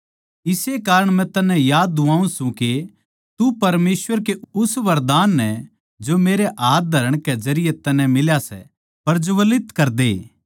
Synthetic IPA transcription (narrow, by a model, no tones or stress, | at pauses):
ɪsekaːɾəɽ̃mɛ̃t̪ɐnːɛ̃jaːd̪ːʊaːũsũke | t̪upɐɾmeːsʋəɾkeʊsʋɐɾd̪aːnːɛ | d͡ʒomeːɾeʔaːt̪̚d̪ʱɐɾəɽ̃kezɐɾɪjet̪ɐnɛ̃mɪljasɛ̰ | pɐɾd͡ʒoʋɐlɪt̪kɐɾd̪e